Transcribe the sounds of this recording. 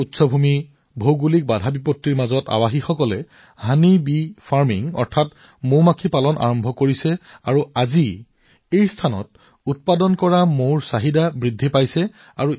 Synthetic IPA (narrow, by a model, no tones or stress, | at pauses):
utsɔbʱumi | bʱowɡulik̚badʱabipɔtːiɹmazɔta̰waxixɔkɔlɛ | hanibipʰaɹmiŋɔ̰ɹtʰat | momakʰipalɔnʔa̰ɹɔmbʱɔkoɹisɛaɹuazi | ejstʰanɔ̰t̚ | ut̚padɔnkɔɹamoɹsaɦidabɹidʱːipajsɛ | a̰ɹu